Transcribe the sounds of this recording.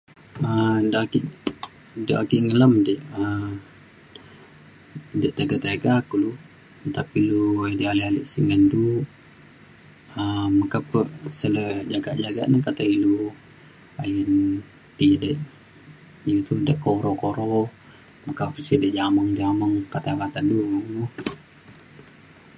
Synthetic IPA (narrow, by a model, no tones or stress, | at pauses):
ədəʔakiʔ | dəʔakiʔŋələmdəʔə | dəʔt̪aɡat̪eɡakulu | t̪apiluedialialḭʔsiŋəndu | əmakapəʔsələd͡ʒaɡa̰ʔd͡ʒaɡa̰ʔnahkat̪ailu | ajən | t̪idəʔ | jut̪udəʔkoɾɔhkoɾɔ | makapsidəʔd͡ʒaməŋd͡ʒaməŋkat̪akat̪aduu